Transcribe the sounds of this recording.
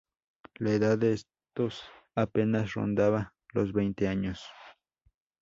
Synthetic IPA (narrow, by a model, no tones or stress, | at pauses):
laeðaees | t̪os | apenasɾo̰nd̪aβa | losbejnt̪eaɲos